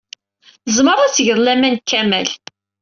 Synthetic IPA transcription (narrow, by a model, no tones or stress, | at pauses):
əzməɾˤæt͡sːʝəɾˤlæmænkːæmæl